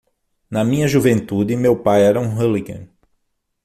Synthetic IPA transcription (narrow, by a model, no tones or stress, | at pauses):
nɐmĩɲɐʒuvẽnt̪ud̪ɪmewpajɛɾɐũɦɐliɡɐ̰̃